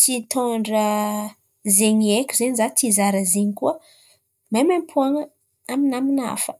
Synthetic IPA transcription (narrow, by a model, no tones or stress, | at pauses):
t͡sit̪ʰɔɳɖ͡ʐə | zeɲiekʲuzeɲizat̪izaɾəzeɲikuə | mamampʰuaŋə | aminamina̰fə̥